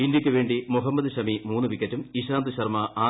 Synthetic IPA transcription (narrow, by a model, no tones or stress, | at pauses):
indjɐkʲːɨʋe̞ːɳɖimuɦɐmːɐd̪ɨɕɐmimuːnːɨʋikːɐtːumiɕaːnd̪ɨɕɐrmɐaː